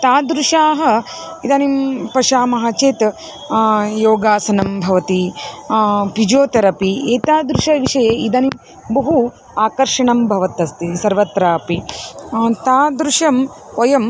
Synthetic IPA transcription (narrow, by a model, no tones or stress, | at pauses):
t̪aːd̪ɾuʂaːɦɐ̆ | id̪ɐnimpɐʃaːmɐɦat͡ʃeːt̪ | joːɡaːsɐnɐmbʱɐʋɐt̪i | pid͡ʒoːt̪ɐɾɐpieːt̪aːd̪ɾuʃɐʋiʂɐjeːid̪ɐnim | bɐɦu | aːkɐɾʂɐɳɐmbʱɐʋɐt̪ːɐst̪isɐɾʋɐt̪ɾaːpi | t̪aːd̪ɾuʂɐmkɔjɐm